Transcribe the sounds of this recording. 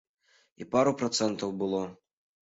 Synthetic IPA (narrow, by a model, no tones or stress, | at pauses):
ipaɾupɾɐt̪sɛnt̪ɐwbɨlˠɔ